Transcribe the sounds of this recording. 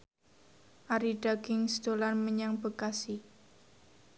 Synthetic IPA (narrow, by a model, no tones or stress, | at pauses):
ʔaɾiɖaɡɪŋsd̪̥olanməɲaŋbəkasi